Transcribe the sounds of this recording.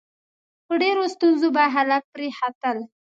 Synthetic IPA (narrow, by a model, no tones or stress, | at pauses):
pəɖeɾost̪unzobaɦad̪afpɾehat̪əl